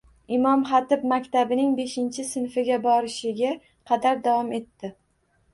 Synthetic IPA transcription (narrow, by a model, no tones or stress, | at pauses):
ɪmɒmχɑt̪ɪbmakʲt̪abɪnɪŋbe̞ʃɪnt͡ʃʰɪsɪnfɪɡʲabɒɾɪʃɪɡʲa | qʰɑd̪aɾd̪avɒme̞t̪ːɪ